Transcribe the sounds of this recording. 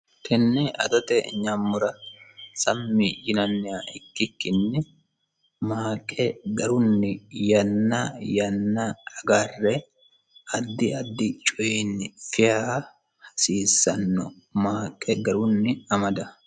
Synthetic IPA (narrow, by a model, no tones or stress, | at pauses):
t̪ʰɛnːɛʔɐ̰t̪ɐt̪ɛɲːamːʊɾɐsɐmːɪjɪnɐnːɪjaɪkːɪkːɪnːɪ | maːkʼːɛɡɐɾʊnːɪjɐnːajɐnːɐɐɡarːɛ | ɐd̪ːɪɐd̪ːɪt͡ʃʼɔeːnːɪfɪjaː | hɐ̥siːsːɐnːɔ | maːkʼːɛɡɐɾʊnːɪɐmɐd̪ɐ